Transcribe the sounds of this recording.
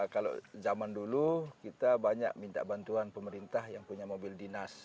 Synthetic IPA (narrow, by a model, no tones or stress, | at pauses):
kala̰zamandulukit̪abaɲa̰k̚mint̪a̰ʔbant̪uanpəməɾint̪ahjaŋpuɲamobildinas